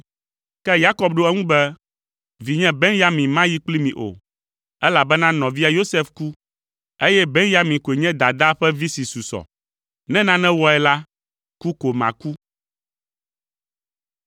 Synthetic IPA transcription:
kɛ˦ja˦kɔ˦b̚ɖo˦ɛ˦ŋũ˦bɛ˦ | vi˨ɲɛ̃˦bɛ˦nja˦mĩ˨mã˦ji˦k͡pli˦mĩ˨ʔo̰˨ | ɛ˦la˨bɛ˦nã˦nɔ̃˨vi˦a˨jo˦sɛ˦fku˦ | e˦jɛ˦bɛ˦nja˦mĩ˨ko˨e˨ɲɛ̃˦d̪a˨d̪a˦ɸɛ˦vi˦si˨su˨sɔ̰˨ | nɛ̃˦nã˦nɛ̃˦wɔ˦ɛ˨la˦ | ku˦ko˨mã̰˨ku˦

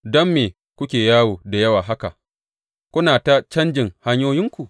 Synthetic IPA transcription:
dɔ˦mːeː˨ | kʷʊ˦kʲeː˨jaː˦woː˨da˨jɐ˦waː˨ɦa˦ka˨ʔ | kʷʊ˦naː˨ta˦t͡ʃɐ˦nd͡ʒɪ˨ŋha˦ɲjoː˦jɪ˦ŋkʷu˨ʔ

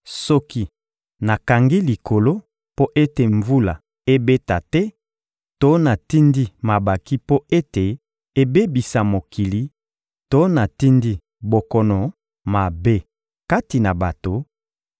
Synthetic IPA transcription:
sɔ˦ki˦ | na˨ka˨ŋɡi˦li˨ko˨lo˦ | po˦ʔe˦te˨ɱvu˦la˨ | e˦be˦ta˨tɛ˦ | to˦na˨ti˦ndi˦ma˨ba˨ki˦po˦e˦te˨ | e˦be˦bi˨sa˨mo˨ki˨li˨ | to˦na˨ti˦ndi˦ | bo˨kɔ˨nɔ˨ | ma˨be˦ | ka˦ti˨na˨ba˨to˨

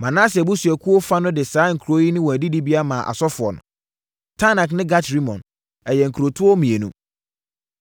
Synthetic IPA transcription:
mã˨nã˦sbʊ˦sæ˨kʰu˦o˦fa˦nʊ̃˦dɪ˨saː˨˦ŋ̩˨kʰu˨ɾo˦ji˦nʊ̃˦wɔ̃˨æ˨di˦di˦bi˦a˦mã˨ʔa̰˨sɔ˦fʊ˨ɔ̰˨nʊ̰̃˨ | tʰa˦nã˨knɪ̃˦ɡa˦tɾi˦mɔ̰̃˨n | ɛ˨jɛ˨ŋ̩˨kʰu˨ɾo˨tʰʊ˦ɔ˦mĩ˨e˨nṵ̃˦

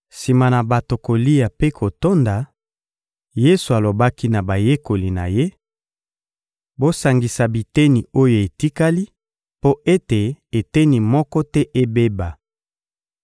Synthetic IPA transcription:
si˨ma˨na˨ba˨to˨ko˨li˦a˨pe˦kʰo˨to˦nda˨ | je˦su˨a˨lo˨ba˦ki˦na˨ba˨je˦ko˨li˨na̰˨je˦ | bo˦sa˨ŋɡi˨sa˨bi˨te˦ni˨o˦jo˨e˨ti˦ka˦li˦ | po˦e˦te˨e˨te˦ni˨mɔ˦kɔ˦tɛ˦ʔe˦be˦ba˨

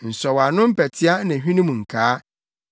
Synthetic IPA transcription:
n̩˨sɔ˨wa˨nʊ̃˦m̩˦pʰɛ˨tʰɪ˦a˦nã˨ɦᶣĩ˦nũ˦mũ˨ŋ̩˨kʰaː˨˦

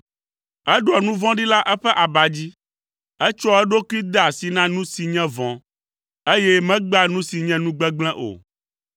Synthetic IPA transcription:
ɛ˦ɖo˨ɔ˨nũ˦vɔ̃˦ɖi˦la˦ʔɛ˦ɸɛ˦ʔa˨ba˨d͡ʑi˦ | ɛ˦t͡ʃɔ˦ɛ˦ɖo˦ku˦i˦d̪e˦a˨si˨nã˦nũ˦si˨ɲɛ̃˦vɔ̃˨ | e˦jɛ˦mɛ̃˦ɡ͡ba˦nũ˦si˨ɲɛ̃˦nũ˦ɡ͡bɛ˦ɡ͡blɛ̃˦ʔo̰˨

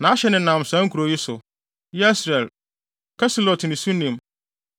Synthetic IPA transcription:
nã˨˦a˦ɕɛ˦nɪ̃˨˦nã˨m˨sã˦ŋ̩˦kʰu˨ɾo˨ji˦sʊ̰˨ | jɛ˦i˦sɾɛ˨l | kʰɛ˦si˨lɔ˨tʰnɪ̃˨sũ˦nĩ˨m

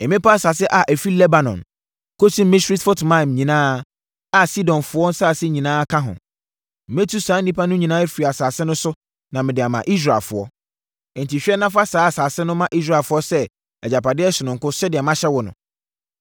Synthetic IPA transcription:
ɛ˨mɪ̃˦pʰa˦˨sa˨s̬ɪ˦ʔa˨ʔæ˨fi˦lɛ˦ba˨nɔ̰̃˨n | kʰo˦sĩ˦m̩˦mɪ̃˦si˦tfʊ˦tmã˦˨m˨ɲĩ˨nãː˦ | a˦si˦dɔ̃˨nfʊ˦ɔ˦n̩˦saː˦˨sɪ˦ɲĩ˨nãː˦kʰã˦ɦʊ̰̃˨ | m̩˨mẽ˦tʰu˦sãː˨˦n˦nĩ˦pʰa˦nʊ̃˦ɲĩ˨nãː˦e˦fi˨i˨a˨saː˨sɪ˦nʊ̃˦sʊ˦ | nã˨mɪ̃˨dɪ˨a˨mã˨ʔi˦s̬ɾa˨lfʊ˨ɔ̰˦ | ɛ˨n̩˨ti˨ɕᶣi˦ɛ˦nã˦fa˦saː˨˦a˨saː˨sɪ˦nʊ̃˦mã˦ʔi˦s̬ɾa˦˨lfʊ˦ɔ˦sɛ˦ | ɛ˨d͡ʑa˨pʰa˨dɪ˦ɛ˦sɪ˨nʊ̃˨ŋ̩˨kʊ˦sɛ˦dɪ˨ɛ˨mã˦ɕɛ˦wɔ˨nʊ̰̃˨

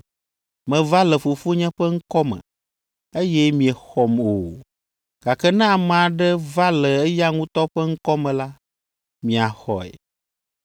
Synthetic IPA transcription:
mɛ̃˨va˦lɛ˨fo˨fo˦ɲɛ̃˦ɸɛ˦ŋ̩˦kɔ˦mɛ̰̃˨ | e˦jɛ˦mĩ˨ɛ˨xɔ˨mo˨ | ɡ̥a˨kɛ˦nã˦˨m˨a˨ɖɛ˦va˦lɛ˨ɛ˦ja˦ŋũ˦t̪ɔ˦ɸɛ˦ŋ̩˦kɔ˦mɛ̃˨la˦ | mĩ˨a˨xɔ̰˨ɛ̰˨

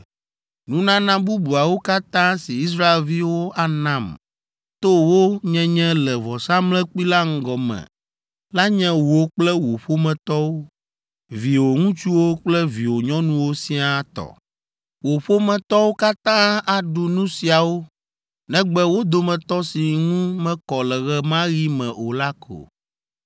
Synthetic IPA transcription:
nũ˦nã˦nã˦bu˦bu˨a˨wo˦ka˦t̪ã˦si˨i˦s̬ɾa˦e˨lvi˦wo˦a˨nã˨m | t̪o˦wo˦ɲɛ̃˦ɲɛ̃˦lɛ˨vɔ˨sa˦mlɛ̃˦k͡pi˦la˦ŋ̩˦ɡɔ˨mɛ̰̃˨ | la˦ɲɛ̃˦wo˦k͡plɛ˦wo˨ɸo˦mɛ̃˨t̪ɔ˦wo˦ | vi˨wo˨ŋũ˦t͡ʃu˦wo˦k͡plɛ˦vi˨wo˨ɲɔ̃˦nũ˦wo˦sĩ˦a˦˨˦t̪ɔ̰˨ | wo˨ɸo˦mɛ̃˨t̪ɔ˦wo˦ka˦t̪ã˦a˨ɖu˨nũ˦si˨a˨wo˦ | nɛ̃˦ɡ͡bɛ˦wo˦d̪o˦mɛ̃˨t̪ɔ˦si˨ŋũ˦mɛ̃˦kɔ˨lɛ˨ɣɛ˦mã˦ɣi˦mɛ̃˨o˨la˦kʰo̰˨

